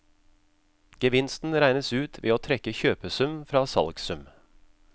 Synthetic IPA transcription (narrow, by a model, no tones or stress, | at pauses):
ɡ̥əʋɪnst̪n̩ɾæɪnəsʉːt̪ʰʋḛːoːt̪ʰɾɛkəçøːpəsʉmfɾɑːsɑ̰lɡsʉm